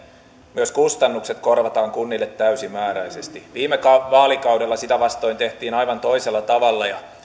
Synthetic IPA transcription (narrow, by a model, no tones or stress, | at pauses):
myøskust̪ɑnːukset̪korʋɑt̪ɑːŋkunːilːet̪tæysimæːɾæisest̪iʋiːmekɑʋɑːlikɑudelːɑsit̪æʋɑst̪o̞int̪eht̪iːnɑiʋɑnt̪oiselːɑt̪ɑʋɑlːɑjɑ